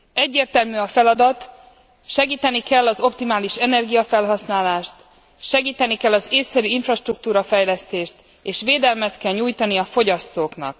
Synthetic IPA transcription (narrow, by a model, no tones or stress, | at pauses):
ɛɟːeːrt̪ɛlmyɒfɛlɒd̪ɒt̪ | ʃɛɡiːt̪ɛnikɛlːɒzo̞p̚t̪imaːliʃɛnɛrɡijɒfɛlɦɒsnaːlaːʃt̪ | ʃɛɡiːt̪ɛnikɛlːɒzeːsːɛɾyiɱfrɒʃt̪ruk̚t̪uːɾɒfɛjlɛst̪eːʃt̪ | eːʃʋeːd̪ɛlmɛt̪kɛlɲuːjt̪ɒniɒfo̞ɟɒst̪oːknɒ̰k̚